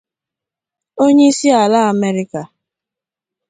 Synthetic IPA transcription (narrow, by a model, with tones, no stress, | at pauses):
o˦ɲe˦i˦si˦a˨la˦a˨me˦ɾɪ˦ka˨